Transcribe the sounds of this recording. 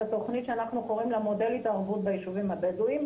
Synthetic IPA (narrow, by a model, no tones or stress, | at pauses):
at̪o̞χnit̪ʃeanaχnuko̞ʁimlemo̞d̪e̞lit̪aʁbut̪̚bejiʃuvimabeduim